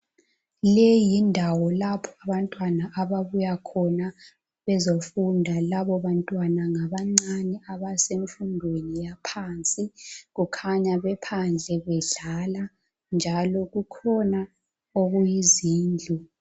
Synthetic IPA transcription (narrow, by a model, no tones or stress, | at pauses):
lɛjindʱawɔlapʰɔ̥aβantʼwanaʔaβaβujakʰɔna | βɛzofundʱalaβɔβantʼwanaŋaβaŋ͡ǀanɛaβaseɱfundʱwenijapʰaːnt͡sʼiɣukʰaɲaβɛpʰand͡ɮʱɛβɛɮala | nd͡ʒʱalɔɣukʰɔna | oɣujiziːnd͡ɮʱu